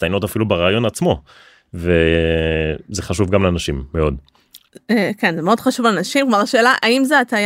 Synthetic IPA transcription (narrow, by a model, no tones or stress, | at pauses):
tajnot̪afilubeʁaːjo̞nat͡smo̞ | ve | zeχaʃuvɡamleanaʃimːeo̞d | ekenzemeo̞d̥χaʃuvlenaʃimkmaʁaʃeːlaʔaimzeataj